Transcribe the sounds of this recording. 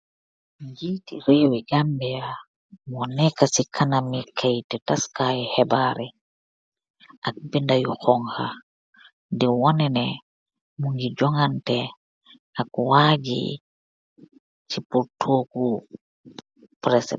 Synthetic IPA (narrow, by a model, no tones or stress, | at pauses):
ŋɡiːtiɾewɛɡambija | mɔnɛkasikʰanamikʰajtɛtaskajɛhɛbaɾɛ | ʔak̚bindajuhɔŋha̰ | dɛwɔnɛnɛ | muŋɡid͡ʒɔŋantɛ | akwaːd͡ʒḭ | t͡ʃipuɾtʰoːku | pɾɛsɛ̰